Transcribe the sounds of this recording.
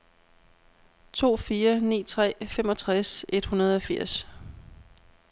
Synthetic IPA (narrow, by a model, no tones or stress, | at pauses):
t͡sʰo̝̰ːfiːɐnḭːt͡sʰʁɛ̰ːfem̰ɒ̽t͡sʰʁase̝d̥hunɐð̞̩ˠɒ̽fiɐ̰s